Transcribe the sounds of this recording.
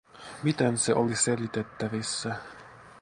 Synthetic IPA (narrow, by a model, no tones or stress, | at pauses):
mit̪ense̞ʔolise̞lit̪et̪ːæʋisːæ